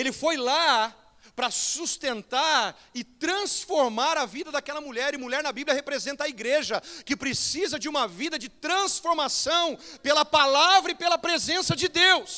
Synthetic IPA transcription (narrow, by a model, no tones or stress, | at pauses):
elɪfojla | pɾɐsust̪ẽnt̪aɾ | ɪt̪ɾɐ̃sfoɾmaɾɐvid̪ɐd̪akɛlɐmuʎɛɾɪmuʎɛɾnɐbiblʲjɐhepɾezẽnt̪ɐiɡɾeʒɐkɪpɾesizɐd͡ʒɪũmɐvid̪ɐd͡ʒɪt̪ɾɐ̃sfoɾmasɐ̃w̃pelɐpalavɾɐɪpelɐpɾezẽsɐd͡ʒɪd̪ews